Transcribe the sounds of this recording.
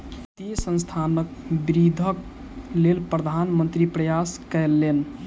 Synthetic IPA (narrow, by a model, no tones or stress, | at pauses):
t̪isə̃nst̪ʰanək̚biɾid̪ʱək | lelpɾəd̪ʱanmənt̪ɾipɾəjaskɛlːen